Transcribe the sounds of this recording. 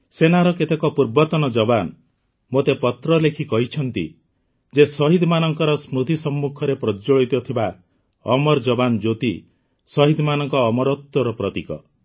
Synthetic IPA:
senaɾɔket̪ekɔpuɾbɔt̪ɔnɔd͡ʒɔban | mot̪epɔt̪ɾɔlekʰikɔɦit͡ʃʰɔnt̪ḭ | d͡ʒesɔɦid̪ʱmanɔŋkɔɾɔsmɾut̪isɔmːukʰɔɾepɾɔd͡ʒoɭit̪ɔt̪ʰiba | ɔ̰mɔɾd͡ʒɔband͡ʒot̪i | sɔɦid̪ʱmanɔŋkɔːmɔɾɔt̪ːɔɾɔpɾɔt̪ikɔ̰

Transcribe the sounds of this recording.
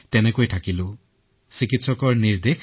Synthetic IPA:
tɛnekojtʰakilʊ̃ | sikitsɔkɔɹniɹd̪ek

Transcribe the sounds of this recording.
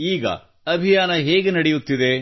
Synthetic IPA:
iːɡɐ̰ | ɐbʱijaːnɐɦeːɡenɐɽejut̪ːid̪e̞

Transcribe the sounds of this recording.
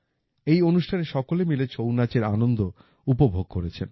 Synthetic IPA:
ejonuʃʈʰaneʃɔkolemilet͡ɕownat͡ɕeɾa̰nond̪o | upobʱoɡ̚koɾet͡ɕʰen

